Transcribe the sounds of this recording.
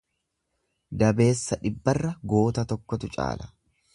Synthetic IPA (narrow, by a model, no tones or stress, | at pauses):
d̪ɐbe̞ːsːɐᶑɪbːɐrːɐɡo̞ːt̪ɐt̪ɔkːɔt̪ʊt͡ʃʼa̰ːlɐ̥